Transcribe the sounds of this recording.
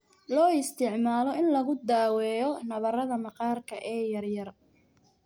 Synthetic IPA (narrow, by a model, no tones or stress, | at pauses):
lɔːɪst̪ʰɪʕmaːlɔɪnlɐɣʊd̪aːwɛːjɔnɐβɐrɐðɐmɑqɑːrkʰɐʔɛːjɐrjɐr